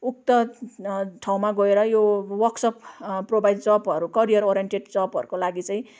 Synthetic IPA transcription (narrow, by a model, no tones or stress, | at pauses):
uk̚t̪ʌ | ʈʰaw̃maɡʌeɾʌjowʌksʌpprobajdd͡zʌpʌɾukʌɾijʌɾoɾijenʈeɖd͡zʌpɦʌ̰ɾukolaɡit͡sʌĩ